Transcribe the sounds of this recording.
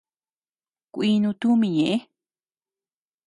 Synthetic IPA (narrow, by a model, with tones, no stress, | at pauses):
kʷiː˧nũ˧t̪u˦mĩ˧ɲẽ˨ʔe˦